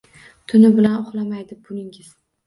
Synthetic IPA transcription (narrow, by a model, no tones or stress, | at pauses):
t̪ʰʊnɪbɪlanʊχlˠamajd̪ɪbʊnɪŋɪz̥